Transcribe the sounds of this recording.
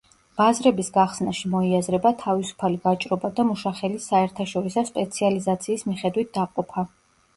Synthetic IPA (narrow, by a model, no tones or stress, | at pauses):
b̥azɾɛbisɡaχsnaʃimɔiazɾɛbat̪ʰavisu̥pʰaliɡat͡ʃʼɾɔbad̪amuʃaχɛlisaɛɾt̪ʰaʃɔɾisaspʼɛt̪sʰializat̪sʰiːsmiχɛd̪wit̪̚d̪aqʼɔpʰa